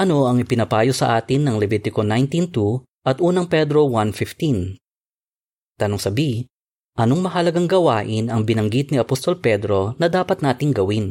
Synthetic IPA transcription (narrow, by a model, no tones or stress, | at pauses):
ʔɐno̞ɐŋɪpɪnɐpaːjosɐʔaːt̪ɪnːɐŋlɛvit̪ɪko̞najnt̪int̪u | ʔɐt̪ʔuːnɐŋpɛd̪ɾo̞wanfɪft̪in | t̪ɐnoŋsɐbi | ʔɐno̞ŋmɐɦɐlɐɡaŋɡɐwaːʔɪnɐŋbɪnɐŋɡit̪̚niɐpost̪o̞lpɛd̪ɾo̞nɐd̪aːpɐt̪̚naːt̪ɪŋɡɐwɪn